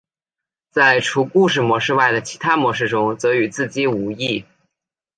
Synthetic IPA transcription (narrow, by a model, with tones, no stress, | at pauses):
t͡sa˥˩ɪʈ͡ʂʰu˧˥ku˥˧ʂ̬ɻ̩˥˩mwɔ˧˥ʂɻ̩˥˧wa˥˩ɪd̪ə˩t͡ɕʰi˧˥t̪ʰa˥mwɔ˧˥ʂɻ̩˥˩ʈ͡ʂʊ˥ŋt͡sɤ˧˥y˨˩t͡sɹ̩˥˩t͡ɕi˥˩u˧˥i˥˩